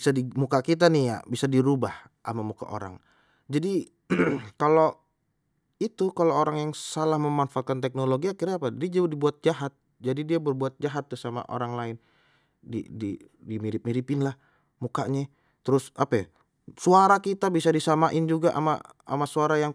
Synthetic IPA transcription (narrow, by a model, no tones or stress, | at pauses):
isadimukakit̪̬anija̰bisadiɾubah | ʔa̰mamuka̰ʔo̰ɾa̰ŋ | d͡ʒadi | kalo | it̪ukalooɾaŋjaŋsalahməmanfaakant̪ɛk̚noloɡiakiɾaːpadadid͡ʒudibuat̪̚d͡ʒaɦat̪̚ | d͡ʒadidiabərbuat̪̚d͡ʒaɦat̪ːusama̰ʔo̰ɾaŋlaɪn | dḭdi | dimiɾɪp̚miɾipɪnlah | mukaɲɛ | t̪əɾʊsʔapa | suaɾakit̪abisadisamaʔɪnd͡ʒuɡaʔa̰ma̰ | a̰masuaɾajaŋ